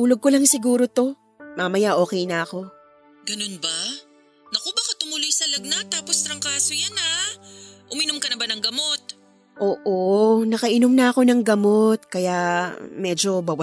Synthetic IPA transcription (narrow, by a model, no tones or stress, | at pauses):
t̪uːlo̞ɡ̚kolɐŋsɪɡuːɾo̞t̪o̞ | mamɐjaʔo̞ːkɛjnɐɐko̞ | ɡɐnonba | nɐkobakɐt̪ʊmʊlʊjsɐlɐɡ̚nɐt̪ːaːpost̪ɾɐŋkaːsojanɐ | ʔʊmɪnʊmkɐnɐbɐnɐŋɡɐmo̞t̪̚ | ʔoːʔonɐkɐʔɪnomnɐʔɐko̞nɐŋɡɐmo̞t̪̚kɐjamɛːd͡ʒo̞bɐwɐ